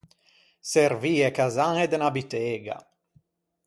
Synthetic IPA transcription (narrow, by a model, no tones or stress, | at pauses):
serviːekazaŋed̪enabit̪eːɡa̰